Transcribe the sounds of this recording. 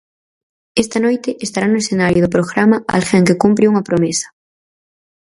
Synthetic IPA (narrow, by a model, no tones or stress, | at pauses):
ɛst̪ɐnojt̪ɪʔest̪aɾanʊesθenaɾjʊðʊp̬ɾoɣɾamɐa̰lxɛŋkekumpɾɪuŋɐpɾomesɐ̥